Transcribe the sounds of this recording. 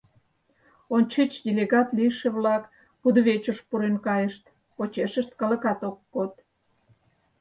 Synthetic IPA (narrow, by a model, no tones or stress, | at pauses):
onʲt͡ɕit͡ɕd̪ʲelʲeɣɑt̪lijʃeβlɑk | pud̪βet͡ɕoʃpuɾenkɑjəʃt̪ | ot͡ɕeʃəʃt̪̚kɑlə̆kɑt̪okːot̪̚